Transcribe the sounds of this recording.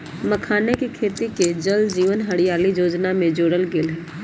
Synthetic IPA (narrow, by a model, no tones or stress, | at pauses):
məkʰaːnekikʰeːt̪iked͡ʒəld̪d͡ʒiːʋənɦɐɽijaːlid͡ʒoːd͡ʒnamẽd͡ʒoːɽəlɡeːlɦɛː